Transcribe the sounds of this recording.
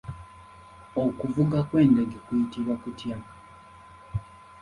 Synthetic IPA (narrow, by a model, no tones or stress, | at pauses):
okuvuɡakwe̞ːnde̞ɡe̞kujitiβwakutja